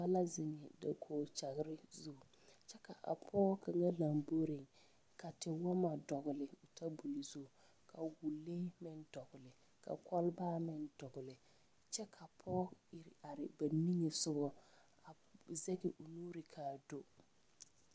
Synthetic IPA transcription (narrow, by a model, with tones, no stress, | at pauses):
ba˦la˦zɪ˨ŋɛ˨da̰˨kʰoː˨t͡ʃa˨ɣɪ˨˦ɾɪ˦zu˦˨ | t͡ʃɛ˦ka˨ʔa̰˨pʰɔː˦kʰa˨ŋa˦la˨mbo˦ɾɪ˨ŋ | kʰa˨tɪ˨wa˦ma˨dɔ˨ɡʊ˨lɪ˨ʊ˨tʰa˦bu˨li˨zu˦˨ | kʰa˨wu˨leː˦mɪ˦ndɔ˨ɡʊ˨lɪ˨ | ka̰˨kɔ˦lbaː˦mɪ˦ndɔ˨ɡʊ˨lɪ˨ | t͡ʃɛ˦kʰa˨pʰɔː˦ɪ˨ɾa˨ɾɪ˨ba˨ni˦ŋe˨sʊ˦bɔ˨ | a˨ | zɛ˦ɡɪ˨ʔʊ˨nuː˦ɾɪ˨kʰaː˨do˦